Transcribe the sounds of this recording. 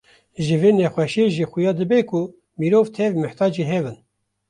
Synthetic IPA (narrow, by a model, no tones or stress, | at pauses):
ʒɨveːnɛxʷɛʃeʒixujɑːd̪ɨbɛkʰʊ | miɾoːvt̪ʰɛvmɨht̪ʰɑːd͡ʒiːɦɛbɨn